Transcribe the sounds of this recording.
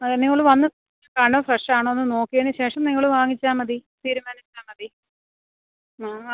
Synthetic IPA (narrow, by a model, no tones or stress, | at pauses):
ɐniŋːɐɭɨʋɐnːɨɐ̥ | kaːɳɖɐfrɐʂʈaːɳoːonːɨno̞ːkːijeɳɨɕe̞ːʂɐmniŋːɐɭɨʋaːŋit͡ɕːaːmɐðit̪iːɾumaːnit͡ɕːaːmɐði